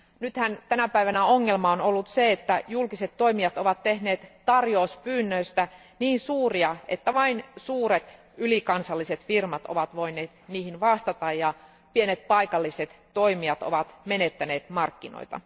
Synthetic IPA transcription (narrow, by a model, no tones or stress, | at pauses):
nyt̪hænt̪ænæpæiʋænæoŋːelmɑonolːut̪seet̪ːæjulkiset̪to̞imiɑt̪oʋɑt̪tehneːt̪t̪ːɑrjospyːnːøist̪æ | niːnsuːriɑet̪ːæʋɑinsuːɾet̪ | ylikɑnsɑlːiset̪firmɑt̪o̰ʋɑt̪ʋo̞ineːt̪niːhinʋɑst̪ɑt̪ɑjjɑ | pienet̪̚pɑikɑlːiset̪ | to̞imiɑt̪o̰ʋɑt̪menet̪ːæne̞ːt̪mɑrkːino̰it̪ɑ̰